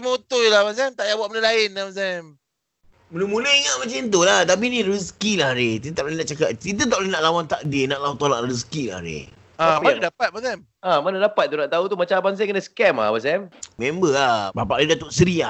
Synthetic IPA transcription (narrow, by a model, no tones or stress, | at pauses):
sməut̪ʊjlahmas̬ɛmt̪aʔjaʔbuat̪ʔbənəlaɪnamas̬ɛm | mənumunəiŋaʔmat͡ʃant̪̬ulaht̪ap̬inĩɾuskilahɾet̪it̪at̪aʔlinaʔt͡ʃakat̪t̪it̪̬ət̪aʔlinaʔlawant̪aʔdenaʔlawat̪olaʔɾus̬kila̰hɾḛ | amanadapat̪̚masɛm | amanadapat̪̚ːunaʔt̪aut̪umat͡ʃabans̬ajikənasə̥kɛma̰hmasɛmmembəabapaʔlidat̪oʔsəɾia